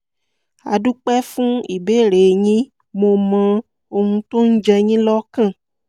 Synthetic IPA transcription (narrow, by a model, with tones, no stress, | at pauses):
a̰˨ɖu˦k͡pɛ˦fũ˦i˨be˦ɾe˨ɲĩ˦ | mõ˨mã˨ | o˧ŋũ˧t̪o˦ŋ̩̃˦d͡ʒɛ˧ɲĩ˦lɔ˦kã˦˨